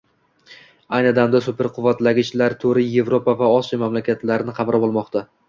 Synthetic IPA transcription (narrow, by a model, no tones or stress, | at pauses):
ajnɪɒd̪amd̪asʊpʰe̞ɾqʰʊvːat̪laɡʲɪt͡ʃlaɾt̪ʰoɾɪje̞vɾopavaɒsijamamlakʲat̪laɾɪnɪqʰɑmɾʔabɒlˠmɒqt̪ʰa